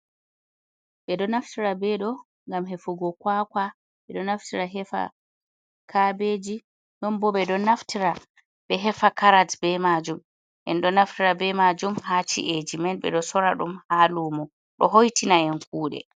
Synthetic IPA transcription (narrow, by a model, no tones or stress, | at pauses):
ɓɛɗɔnaftiɾabɛɗɔ | ŋɡamɦɛfuɡɔkwakwa | ɓɛɗɔnaftiɾaɦɛfa̰ | kʰabed͡ʒi | nɔmbɔɓɛɗɔnaftiɾa | ɓɛɦɛfakaɾadbɛmad͡ʒum | ʔɛ̰nɗɔnaftiɾabɛmad͡ʒumhat͡ʃḭʔed͡ʒimɛnɓɛ̰ɗɔsɔɾaɗumhaːlumɔ | ɗɔɦojtinaɛnkuːɗɛ̰